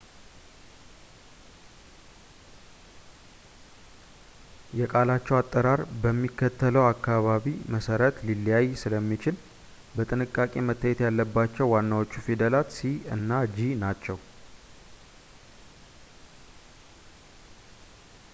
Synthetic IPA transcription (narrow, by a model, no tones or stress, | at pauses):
jɛkʼalat͡ʃːɛwat̪ʼːəɾaɾbəmːikʰːət̪ʰːələwakːaβaβiməsəɾət̪lilːijajsɨləmːit͡ʃɪl | bət̪ʼɨnɨkʼːakʼe̞mət̪ʰːajɛt̪jalːəbːat͡ʃːɛwːanːawo̞t͡ʃːufid̪əlat̪siɨ̰nːad͡ʒinat͡ʃːɛw